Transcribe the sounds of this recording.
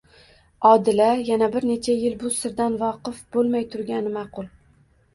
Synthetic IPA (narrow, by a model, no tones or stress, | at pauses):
ɒd̪ɪlajanabɪɾne̞t͡ʃʰajɪlbʊsɪɾd̪anvɒqɨfb̥olˠmajt̪ʰʊɾɡʲanɪmɑqʰʊlˠ